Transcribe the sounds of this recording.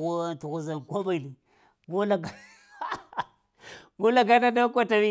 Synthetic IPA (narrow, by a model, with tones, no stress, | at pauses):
o˦tu˨ɣu˦za˨n˨kʷo˦ma˨i˨li˨ | ɡo˦la˨ɡa˨˦ | ɡo˦la˨ɡa˦na˦da˦kʷa˦ta˨mi˦